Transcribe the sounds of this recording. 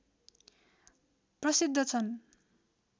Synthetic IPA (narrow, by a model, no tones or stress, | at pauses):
prʌsid̪ʱːʌt͡sʰʌn